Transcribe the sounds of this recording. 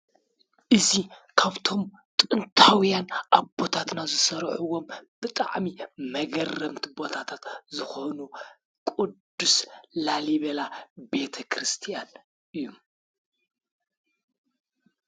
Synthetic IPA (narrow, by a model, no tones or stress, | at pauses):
ʔɨzikʰaβt̪ʰo̞m | t̪ʼɨnt̪ʰawjanʔaβbo̞t̪ʰat̪nazɨsɐɾʕuwo̞mb̥ɨt̪ʼa̰ʕmimɐɡɐrːɐmt̪ʰibo̞t̪ʰat̪ʰat̪zɨxonu | kʼud̪ːuslaliβɐlabe̞t̪ʰɐkʰɾɨst̪ʰijan | ʔɨjːum